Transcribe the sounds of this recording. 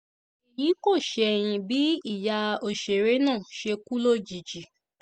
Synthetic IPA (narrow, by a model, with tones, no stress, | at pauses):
i˨ji˨˦ko˦˨ʃɛ˧˨j̃ĩ˧bi˨˦i˦˨ja˧o˨ʃe˨ɾe˨˦nãː˦˨ʃe˧ku˦lo˦˨d͡ʒi˨d͡ʒi˨